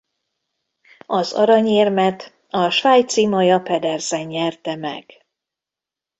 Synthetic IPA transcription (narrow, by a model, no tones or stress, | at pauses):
ɒzɒ̰ɾɒɲeːrmɛt̪ | ɒʃvaːjt̪simɒjɒpɛd̪ɛrzɛɲːɛrt̪ɛmɛ̰ɡ̥